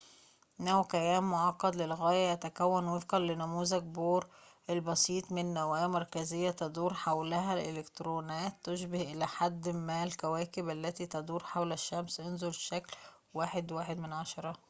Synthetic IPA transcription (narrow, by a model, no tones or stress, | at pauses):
næwkæjæːmːoʕɑqːɑd̪lelɣæːjæʔæt̪ækæwːænwefqɑnlɪnʊmuːzæɡ̚boːɾʔelbɑsiːt̪ˤmɪnːæwæːjmɑɾˤkæzejːæt̪ɑd̪ˤuːɾħawlæɦælʔḛlekt̪ɾoːnæːt̪ːʊʃbɪhʔɪlæħad̪ːmælkæwæːkɪbʔælːæt̪iːt̪ɑd̪uːɾħawlæʃːæmsʔonzolʃækl | waːħed̪waːħed̪mɪnʕaʃɑɾˤɑ